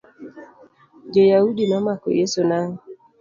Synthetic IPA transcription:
d͡ʒojaudimamako̰jesonaŋ

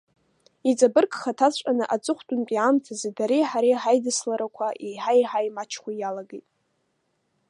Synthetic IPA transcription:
it͡sʼabɨrkʰʼχatʰat͡ɕʷʼanɨʔat͡sʷʼɨχʷtʼʊnpʼiamtʰazedaɾiħaɾiħajdɨslaɾakʷʰaʔiħajħajmat͡ʃʰχʷajalaɡejtʼ

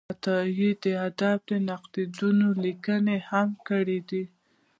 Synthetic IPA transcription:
t̪ɑjid̪əad̪af̚d̪ənaqd̪id̪unolikənehamkəɽid̪i

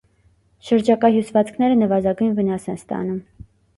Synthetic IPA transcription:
ʃəɾd͡ʒɑkɑɦjusvɑt͡skʰnɛɾənəvɑzɑɡujnvənɑsɛnst̪ɑ̰num

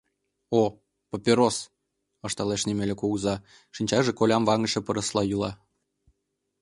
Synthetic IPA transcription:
o | popʲeɾos | ɤ̆ʃt̪ɑleʃnʲemelʲĕkuɣzɑ | ʃinʲt͡ɕɑʒĕkolʲɑmvɑŋə̆ʃĕpɤ̆ɾɤ̆slˠɑjulˠɑ

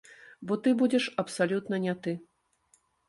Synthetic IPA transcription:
bɔt̪ɨbud͡zʲɛʂɐpsalʲut̪nɐnʲat̪ɨ

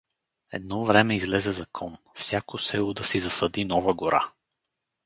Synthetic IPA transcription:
ɛ̰d̪̚nɔvɾɛmɛizlɛzɛzɐkʰɔn | fsʲjakosɛlˠod̪ɐsizɐsəd̪inɔvəɡʊɾʔa̰

